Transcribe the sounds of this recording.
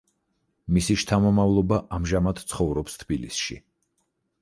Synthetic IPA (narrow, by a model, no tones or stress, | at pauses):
misiʃt̪ʰamɔmavlˠɔbaʔamʒamad̪t̪sʰχɔvɾɔpst̪ʰbilisʃḭ